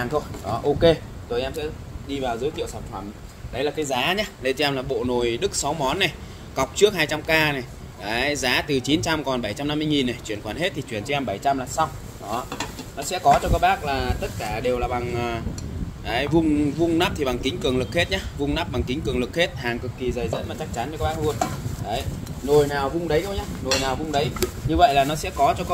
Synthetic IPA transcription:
aː˨˩ŋt̪ʰo˧jɗɔ˨˦ʔo˧ke˧zo˨˩ʔɛ˧msɛ̰˧˥ | ɗi˧vaː˨˩wzɨ˨˦jt̪ḭ˧˨əwsaː˧˩nfə˧˩m | ɗə˨˦jlaː˨˩kːaː˨˦jzaː˨˦ɲaː˨˦ɗə˧jt͡ɕɔ˧ʔɛ˧mlaː˨˩ɓo̰˧˨no˨˩jɗɨ˦˥k̚sa˨˦wmɔ˨˦nːa˨˩j | ka˨˩wk͡p̚t͡ɕɨ˦˥ək̚haː˧jt͡ɕa˧mkaː˧na˨˩j | kaː˨˦jzaː˨˦t̪ɨ˨˩t͡ɕi˨˦nt͡ɕa˧mkɔ˨˩nɓə˧˩jt͡ɕa˧mna˧mːɨ˧jŋi˨˩nːa˨˩jt͡ɕwi˧˩ənkwaː˨˩nhe˦˥t̪ʰi˨˩t͡ɕwi˧˩ənt͡ɕɔ˧˦ʔɛ˧mɓə˧˩jt͡ɕa˧mlaː˨˩sa˧w | ɗɔ˨˦nɔ˨˦sɛ̰˧˥kɔ˨˦t͡ɕɔ˧kɔː˦˥k̚ɓaː˦˥k̚laː˨˩t̪ə˦˥t̚kaː˧˩ɗe˨˩wlaː˨˩ɓa˨˩ŋʔːkaː˨˦jvʊ˧ŋ͡mvʊ˧ŋ͡mnaː˦˥p̚t̪ʰi˨˩ɓa˨˩ŋki˨˦ŋ̟kɨ˨˩əŋlɨ˨˩k̚he˦˥t̚ɲaː˨˦vʊ˧ŋ͡mnaː˦˥p̚ɓa˨˩ŋki˨˦ŋ̟kɨ˨˩əŋlɨ˨˩k̚he˦˥t̚haː˨˩ŋkɨ˨˩kːi˨˩zəː˨˩jzə̰˧˥nmaː˨˩t͡ɕa˦˥k̚t͡ɕa˨˦nvə˨˦kːɓaː˦˥lu˧ənɗə˨˦jno˨˩jnaː˨˩wvʊ˧ŋ͡mɗə˨˦jkə˧wɲaː˨˦no˨˩jnaː˨˩wvʊ˧ŋ͡mɗə˨˦jɲɨ˧və̰˧˨jlaː˨˩nɔ˨˦sɛ̰˧˥kɔ˨˦t͡ɕɔ˧kɔ˦

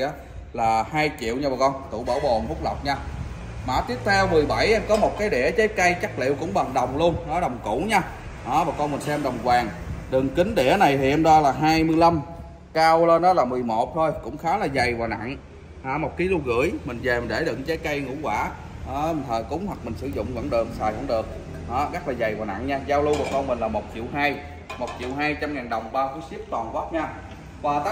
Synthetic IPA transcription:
ʔaː˨˦ | laː˨˩haː˧jt͡ɕḭ˧˨əwɲaː˧aː˨˩kɔ˧nt̪ṵ˧˨ɓəː˧˩ɓo˨˩nfʊ˦˥k͡p̚lə˨˩wk͡p̚ɲaː˧ | maː˨˩˦t̪i˦˥əp̚t̪ʰɛ˧wmɨ˨˩jɓa˧˩jʔa˧mkɔ˨˦mo˨˩t̚kaː˨˦jɗɛ̰˧˩t͡ɕə˨˦jkə˧jt͡ɕa˦˥k̚lḭ˧˨wkʊ̰˧˥ŋ͡mɓa˨˩ŋɗə˨˩wŋ͡mlu˧ənnɔ˨˦ɗə˨˩wŋ͡mkṵ˧˩˥ɲaː˧ | ʔaː˨˦ɓaː˨˩kɔ˧nmï˨˩nsɛ˧mɗə˨˩wŋ͡mkwaː˨˩ŋ | ɗɨ˨˩ŋkï˨˦ŋ̟ɗɛ˧˩əna˨˩jt̪ʰi˨˩ʔɛ˧mɗɔ˧laː˨˩ɦaː˧jmɨ˧əjla˧m | kaː˧wləː˧nʔɔː˨˦laː˨˩mɨ˨˩əjmo˨˩t̚t̪ʰo˧jkʊ̰˧˥ŋ͡mxaː˨˦wlaː˨˩za˨˩jvaː˨˩na̰˧˨n | haː˧˩mo˨˩t̚ki˨˦lu˧ɣɨ̰˧˩˥əjmï˨˩ŋ̟ve˨˩mi˨˩nɗe˧˩ɗɨ̰˧˨ŋt͡ɕa˨˦jkə˧jŋṵ˧˥kwaː˧˩ | ʔmi˨˩ŋ̟t̪ʰəː˨˩jkʊ˨˦ŋ͡mhwa˨˩k̚mï˨˩ŋ̟sɨ˧˦zʊ̰˧˨ŋ͡mvə̰˧˥nɗɨ˨˩ək̚saː˨˩jhə̰˧˥˦ŋ͡mɗɨ˨˩ək̚ | hɔː˨˦ɣa˦˥k̚laː˨˩za˨˩jvaː˨˩wna̰˧˨nɲaː˧zaː˧wlu˧vaː˨˩kɔ˧nmï˨˩ŋ̟laː˨˩mo˨˩t̚t͡ɕḭ˧˨əwɦaː˧j | mo˨˩t̚t͡ɕḭ˧˨əwɦaː˧jt͡ɕa˧mŋaː˨˩nɗə˨˩wŋ͡mɓaː˧fu˧˦jsi˦˥əp̚t̪waː˨˩nvɔ˦˥p̚ɲaː˧ | vaː˨˩t̪a˦

